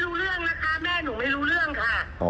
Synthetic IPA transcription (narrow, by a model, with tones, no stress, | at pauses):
ɾuː˦˥ɾɯ˥˩əŋna˦˥kʰa˦˥mɛː˥˩nuː˩˦ma˥˩jɾuː˦˥ɾɯ˥˩əŋkʰa˧˩